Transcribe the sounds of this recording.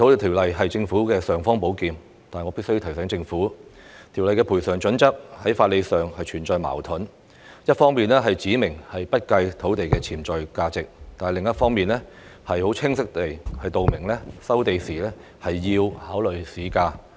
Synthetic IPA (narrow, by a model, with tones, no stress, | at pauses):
t̪ʰo˨˥wt̪e˨˩t̪ʰi˨˩wlɐ˨jɦɐ˨jt͡sɪ˧ŋfuː˨˥kɛː˧sœː˨ŋfɔː˥ŋpo˨˥wkiː˨˧m | t̪aː˨hŋɔ˨˧piː˥sjt̪ʰsɛː˨˥ŋt͡sɪ˧ŋfuː˨˥t̪ʰi˨˩wlɐ˨jkɛː˧pʰu˨˩jsœː˨˩ŋt͡ʃɵ˨˥nt͡sɐ˥p̚hɐ˨˥jfaː˧t̚le˨˧jsœː˨˩ŋhɐ˨jt͡ʃʰyː˨˩nt͡ʃɔː˨jma̰ː˨˩wt̪ʰʊ˨˥n | jɐ˥t̚fɔː˥ŋmiː˨nlɛː˥ɦɐ˨jt͡siː˨˥mɪ˨˩ŋhɐ˨jpɐ˥t̚kɐ˧jt̪ʰo˨˥wt̪e˨jkɛː˧t͡sʰiː˨˩mt͡sɔː˨jkaː˧t͡sɪ˨k̚t̪aː˨nɐ˨jlɪ˨ŋjɐ˥t̚fɔː˥ŋmiː˨nlɛː˥ | hɐ˨jho˨˥wt͡sʰɪ˥ŋsɪ˥k̚t̪e˨jhɐ˨jt̪o˨wmɪ˨˩ŋlɛ˥sɐ˥wt̪e˨jsiː˨˩lɛː˥ | hɐ˨jːiː˧whaː˨˥wlɵ˨ɥsiː˨˥kaː˧